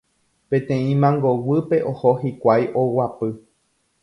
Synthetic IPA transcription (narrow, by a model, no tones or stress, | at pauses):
pẽ̞t̪ẽ̞ĩmãŋɡowɨpe̞ʔohoɦikʷajʔowapɨ